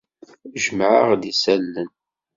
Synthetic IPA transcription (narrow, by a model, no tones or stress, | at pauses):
ʒəmʕəʁd̪isælːən